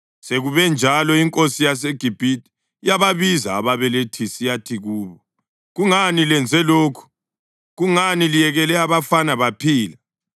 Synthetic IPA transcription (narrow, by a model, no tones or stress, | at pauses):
seɣuβɛnd͡ʒʱalɔiŋkʼosijas̬eɡ̥ʱib̥ʱitʼi̥ | jaβaβizaːβaβɛletʰisijatʰiɣuːβɔ | ɣuŋanilɛnd͡zʱɛloːkʰu̥ | ɣuŋanilijɛɣɛlɛaβafanaβapʰiːla